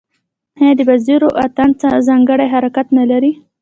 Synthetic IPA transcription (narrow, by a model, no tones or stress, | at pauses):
had̪əbaziɾoʔat̪ant͡sazɑŋɡəɽajɦaɾakat̪nalaɾi